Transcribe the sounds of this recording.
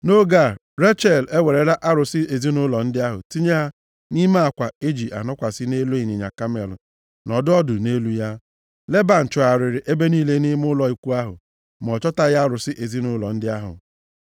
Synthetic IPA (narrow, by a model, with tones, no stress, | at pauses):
no˦ɡa˦˨ | ɾe˦t͡ʃɛ˨le˦we˨ɾe˨ɾa˦ʔa˦ɾʊ˨sɪ˦e˨zi˦nʊ˦lɔ˨n̩˦dɪ˦a˦ɦʊ̰˨ti˦ɲe˦ɦa˦ | ni˦ma˦a˨kʷa˨e˦d͡ʒi˨ʔa̰˨nɔ˦kʷa˨sɪ˦ne˦lu˦ɪ˨ɲɪ˨ɲa̰˨ka˦mɛ˨lʊ̰˨ | nɔ˨dʊ˦ɔ˦dʊ˨ne˦lu˦ja˦ | le˦ba˨n̩˨t͡ʃɔ˨a˨ɾɪ˨ɾɪ˨ʔe˦be˦niː˦le˦ni˦mʊ˦lɔ˨i˨kʷu˦a˦ɦʊ̰˨ | m˨ɔ˨t͡ʃɔ˦ta˦˨ja˦a˦ɾʊ˨sɪ˦ʔe˨zi˦nʊ˦lɔ̰˨n̩˦dɪ˦a˦ɦʊ̰˨